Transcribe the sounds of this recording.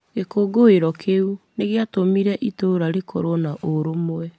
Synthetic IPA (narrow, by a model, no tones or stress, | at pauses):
ɡekoːɡoeɾɔkʰeuneɣeatomiɾɛʔitoɾaɾekʰɔɾonaʔoɾomoɛ